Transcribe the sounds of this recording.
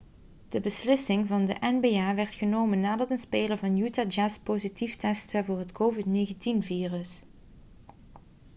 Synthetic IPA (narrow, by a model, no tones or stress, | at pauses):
d̥əbəslɪsɪŋvɑndə̰ʔɛnbeːaːʋɛɹtχənowmənːaːdɑtənspeːləɹvɑnjutaːd͡ʒaspozitiftɛstəvʊːɹɦətkʰowvɪtneːɣəntinviːrəs